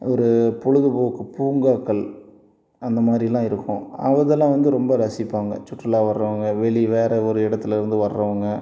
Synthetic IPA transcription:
ɔɾɯpɔɻɯðɯboːkːɯpuːŋɡaːkːɐɭ | ɐnd̪ɐmaːd̪ɾilãːɪɾɯkːʊ̃ɐ̰ʋɐðɛlːãːʋɐnd̪ɯɾɔmbɐɾɐsɪpːaːŋɡɐ̰t͡ʃʊʈːɐlaːʋɐɾɾɐʋɐŋɡɐʋɛɭiʋeːɾɐɔɾɯɪɽɐt̪ːɯlɪɾɯnd̪ɯʋɐɾɾɐʋɐŋɡɐ

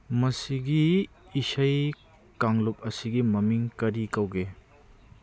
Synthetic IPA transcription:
mɐsiɡiːsɐj | kaŋlop̚ɐsiɡimɐmiŋkɐɾikɐwɡe

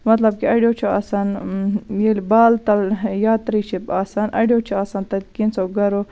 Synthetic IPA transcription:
mɐt̪lɐb̚kiaːɖijoːt͡ʃʰua̰ːsaːnjelibaːlt̪ɐljaːt̪ɾiːt͡ʃʰipaːsaːnʔa̰ːɖijoːt͡ʃʰuaːsaːnt̪ɐt̪kinsoɡɐɾo

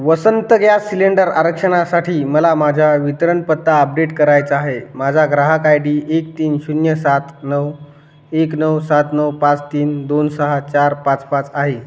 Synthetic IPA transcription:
ʋəsənt̪əɡjasileɳɖəɾaɾəkʂəɽ̃asaʈʰiːməlamad͡ʑʱjaʋit̪ɾəɳpət̪ːaəp̚ɖeʈkəɾajt͡səaɦemad͡zʱaɡɾaɦakajɽiːʔek̚t̪iːnɕunjəsat̪nəw | eknəwsat̪nəwpãt͡st̪iːnd̪onsəɦat͡ɕaɾpãt͡spãt͡saɦe

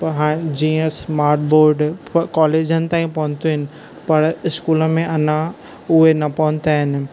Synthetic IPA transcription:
pɐɦaːd͡ʑiːə̃smaːɾʈ̚boːɾɖkɔːleːd͡ʑənɪ̆t̪ãːĩpɐɦʊ̃ɲt̪oɦɪnɪ̆ | pɐɾɪskuːləmẽʔɐnã | ʊɦenɐpɐʋʊ̃ɲt̪aːɦɪnɪ̆

